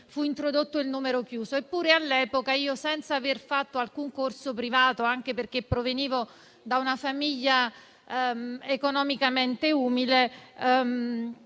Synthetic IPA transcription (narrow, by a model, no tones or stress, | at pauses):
fuint̪ɾod̪ot̪ːoilnuːmeɾokjuːsoepːuːɾealːɛːpokaiːosɛnt̪saːverfat̪ːoalkuŋkorsopɾivaːt̪oaŋk̟eperk̟epːɾoveniːvo | d̪aunafamiʎːa | ekonɔmikament̪euːmilem